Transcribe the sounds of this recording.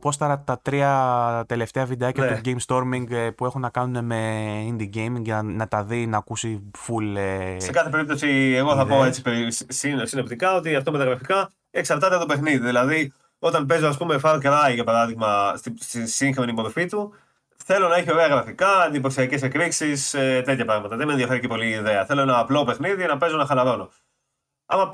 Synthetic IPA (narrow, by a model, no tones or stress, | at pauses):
po̞st̪ɐɾɐt̪ɐt̪ɾiɐt̪e̞le̞ft̪e̞ɐvid̪eɐcɐuɟejmst̪o̞ɾmiŋɡpue̞xunːɐkɐnune̞me̞ind̪iɟejmiŋɡnɐt̪ɐðinɐːkusi | fulesekɐθep̬e̞ɾip̚t̪o̞sieɣo̞θɐpo̞e̞t͡si̥pessinsinept̪ikɐo̞t̪iɐft̪omet̪ɐɣɾɐfikɐ | e̞ksɐɾt̪ɐt̪et̪opexniðiðilɐði | o̞t̪ɐnp̬e̞zo̞ɐs̬pume̞fɐkɾɐiʝɐpɐɾɐðiɣmɐst̪ist̪isiŋxmenipoɾofit̪u | θe̞lo̞nɐeçeo̞ɾe̞ɐɣɾɐfikɐend̪ipo̞siɐce̞s̬ekɾiksiset̪e̞t̪çɐpɾɐɣmɐt̪ɐðeme̞nðiɐfe̞ɾicepo̞liːðeɐθe̞lo̞enɐːplo̞pe̞xniðienɐpe̞zo̞nɐxɐlɐɾo̞no̞ | ɐ̰mɐ